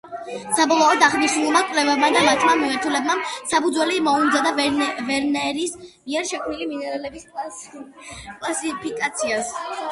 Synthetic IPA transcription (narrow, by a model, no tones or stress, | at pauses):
sabɔlˠɔɔd̪aʁnisnulˠmakʼwlɛvɛbmad̪amat͡ʃʰmamimaɾt̪ʰulɛbmamsapud̪zwɛlimɔund̪zad̪avvɛɾnɛɾismiɛɾʃɛkʰmnilimiɛɾɛlɛbiskʼl | kʼlˠasipʰikʼat̪sʰias